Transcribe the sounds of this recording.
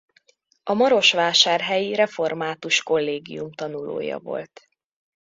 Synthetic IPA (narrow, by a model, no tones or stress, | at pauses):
ɒmɒɾo̞ʃʋaːʃaːrɦɛjiɾɛfo̞rmaːt̪uʃko̞lːeːɡḭjumt̪ɒnulo̰ːjɒ̰vo̞̰lt̪